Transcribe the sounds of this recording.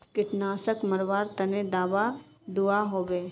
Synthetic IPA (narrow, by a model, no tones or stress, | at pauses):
kɪʈnaːsəkmɐɾʋaːɾt̪ɐned̪aːʋa | d̪uaɦoːbeː